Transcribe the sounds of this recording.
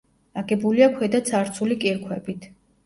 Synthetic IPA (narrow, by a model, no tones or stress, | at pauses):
aɡɛbuliakʰɛd̪at̪sʰaɾt̪sʰulikʼiɾkʰwɛbit̪ʰ